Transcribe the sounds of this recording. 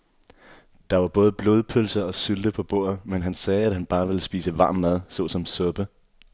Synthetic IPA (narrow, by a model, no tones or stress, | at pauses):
d̥ɑ̈ʋɑ̈b̥ɔ̽ːð̞ˠb̥lo̝ːð̞ˠpʰølsɐɒ̽syld̥əpʰɒ̽b̥o̝̰ɐ̰ð̩ˠmenɦænsɛːæd̥ɦænb̥ɑ̈ːʋe̝ləsb̥ḭːsəʋɑ̈ːmːæð̞ˠsɔ̽sɒ̽msɔb̥ə